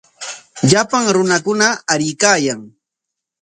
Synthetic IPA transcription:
ʎapaŋɾʊnakʊnaːɾɪjkaːjaŋ

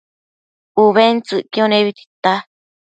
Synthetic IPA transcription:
uβent͡sɨʔkĩõnẽβit̪i̥t̪a

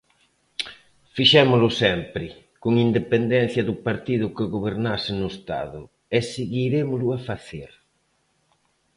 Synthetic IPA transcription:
fiʃɛmʊlʊsɛmpɾɪ | koŋind̪epend̪ɛn̟θjɐðʊpaɾt̪iðʊkɪɣoβeɾnasɪnʊest̪a̰ðʊ̰ | ɛseɣiɾemʊlʊafaθeɾ

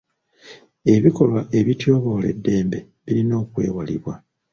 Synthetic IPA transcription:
e̞βiko̞lwaʔe̞βitjo̞ːβo̞ːle̞̰dːe̞ːmbe̞ | βiɾino̞ːkwe̞ːwalḭβwa

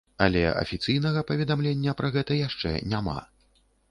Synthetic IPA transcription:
ɐlʲɛ̰ɐ̰fʲit̪sɨjnɐɣɐpɐvʲɛd̪amlʲenʲːɐpɾɐɣɛt̪ɐjaʂt͡ʂɛ̰nʲama̰

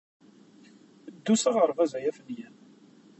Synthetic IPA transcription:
d̪ːusaʁəɾˤvæzæjæfənjæn

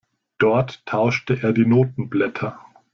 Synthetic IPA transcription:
d̥ɔɐtʰːaʊʃtəʔeːɐdiːnoːtn̩blɛtʰɐ

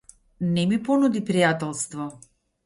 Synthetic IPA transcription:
nɛmipɔnud̪ipɾijat̪ɛlˠst̪vɔ

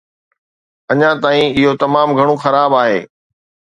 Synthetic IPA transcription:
ɐɲãt̪aːĩɪɦot̪ɐmaːmɡʱɐɽ̃õxɐɾaːbaːɦḛː

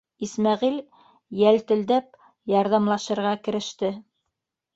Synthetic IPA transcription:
ismæʁil | jælt̪ɘ̆ld̪æp̚ | jɑɾðɑmlˠɑʃɤ̆ɾʁɑkɘ̆ɾɘ̆ʃt̪ɘ

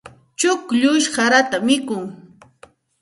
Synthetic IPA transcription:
t͡ʃʊkʎʊʃɢaɾat̪amɪkʊŋ

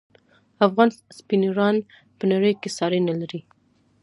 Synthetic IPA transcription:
afɣɑnspinɾɑn | pənaɽəjkesɑɾenalaɾi

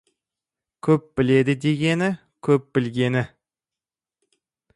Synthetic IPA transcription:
kʲʰɵp̚b̥ɪled̪ɪd̪e̞ɡʲenɪ | kʲʰɵp̚b̥ɪlɡʲe̞nɪ

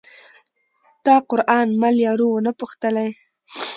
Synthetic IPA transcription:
t̪ɑqʊɾʔɑnmaljɑɾuwənapʊxt̪əlaj

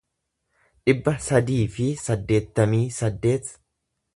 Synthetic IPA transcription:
ᶑɪbːɐsɐd̪iːfɪsɐd̪ːe̞ːt̪ːɐmiːsɐd̪ːe̞ːt̪

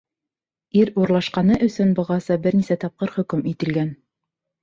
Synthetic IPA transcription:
iɾuɾlˠɑʃqɑnɤʔɵ̆sɵnbɤ̆ʁɑsɤbɘɾnisæt̪ɑp̚qɤɾχɵ̆kɵmit̪ɘ̆lɡæn

